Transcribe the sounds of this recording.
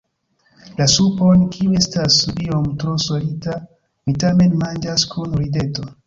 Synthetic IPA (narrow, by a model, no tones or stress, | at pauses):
lasuponkʰiue̞stasliomtɾosolita | mitame̞nmand͡ʒaskʰunɾide̞to̞